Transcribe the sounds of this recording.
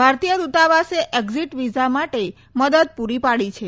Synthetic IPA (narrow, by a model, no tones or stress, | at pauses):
bʱaɾt̪ijəd̪ut̪aʋaseʔeɡziʈʋid͡ʒamaʈe | məd̪əd̪̚puɾipaɭit͡ʃʰe